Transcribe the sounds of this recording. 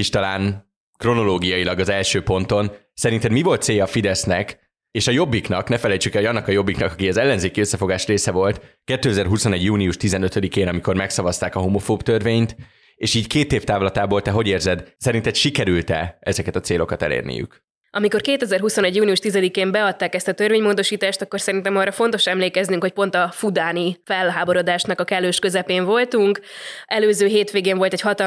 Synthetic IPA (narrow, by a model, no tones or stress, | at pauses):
iʃt̪ɒlaːn | kro̞no̞loːɡijɒilɒɡɒzɛlʃøːpo̞nt̪o̞n | sɛɾint̪ɛd̪mivo̞lt̪seːjɒfid̪ɛsnɛk | eːʃɒjo̞bːiknɒknɛfɛlɛjt͡ʃykɛlo̞ɟɒnːɒkɒjo̞bːiknɒkɒkiɛzɛlːɛnzeːkiøsːɛfo̞ɡaːʃreːsɛvo̞lt̪kɛt̪ːøːɛzɛrɦuso̞nɛɟjuːlijuʃt̪izɛnø̞t̪ød̪ikeːnɒmiko̞rmɛksɒvɒst̪aːkɒɦomofoːbt̪ørveːɲt̪ | eːʃiːckeːt̪eːft̪aːvlɒt̪aːbo̞lt̪ɛɦo̞ɟeːrzɛd̪sɛɾint̪ɛt̪ʃikɛɾylt̪ɛ̰ɛzɛkɛt̪ɒt̪seːlo̞kɒt̪ɛ̰lḛːrnḭjy̰k | ʔɒmiko̞rkeːt̪ɛzɛrɦuso̞nɛɟjuːlniuʃt̪izɛd̪ikeːmbɛɒt̪ːaːkɛst̪ɒt̪ørveːɲmoːd̪o̞ʃiːt̪aːʃt̪ɒkːo̞rsɛɾint̪ɛmɒːrːɒfo̞n̪t̪o̞ʃɛmleːkɛznyŋkho̞c̚po̞n̪t̪ɒfud̪aːnifɛlɦaːbo̞ɾo̞d̪aːʃnɒkɒkɛlːøːʃkø̞zɛpeːɱvo̞lt̪uŋkɛløːzøːɦeːt̪ʋeːɡeːɱvo̞lt̪ɛchɒt̪ɒ